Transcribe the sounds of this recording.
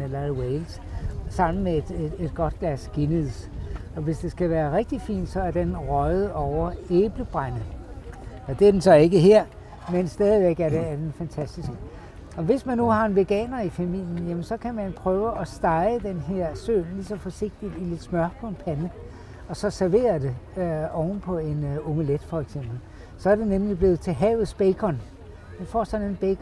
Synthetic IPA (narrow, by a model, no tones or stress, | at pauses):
elɐweɪls | sɑ̈m̰n̩med̥ee̝d̥ɡ̥ɒ̽d̥̚ɡ̥læsɡ̥e̝nið̰ˠsɒ̽ʋe̝sd̥e̝sɡ̥æʋæːɐʁeɡ̥̚d̥ifḭːnd̥sɒ̽æɐd̥enʁɒð̩ˠɒʊɐeːb̥ləb̥ʁanð̩ˠ | ɒd̥e̝æɐd̥ensɒ̽e̝ɡ̥əɦeɐ̰ | mensd̥ɛːðˠiʋeɡ̥æɐɾ̥eːɐd̥enfænt͡sʰæsd̥isɡ̥ə | ɒ̽ʋe̝smænːuhɑ̈e̝nʋe̝ɡ̥ɛ̰ːnɐifæmil̰jənjæmənsɒ̽kʰæmænpʰʁœːʊəɒ̽sd̥ɑ̈ɪəd̥enɦe̝ɐ̰sø̰nlisɒ̽fɒse̝ɡ̥̚d̥id̥ile̝d̥smɶɐpʰɔ̽e̝npʰænə | ɒ̽sɒ̽sæɐʋe̝̰ːɐd̥e̝ɒʊnpʰɒ̽e̝no̝mæled̥fɒ̽eɡ̥sem̰b̥l̩ | sɒ̽æɐd̥e̝nemlib̥le̝ːð̩ˠt͡sʰe̝ɦɛ̰ːʊð̞̩ˠsb̥eɡʰɒn | d̥enfɒ̰ːsdɒnenb̥eɡʰ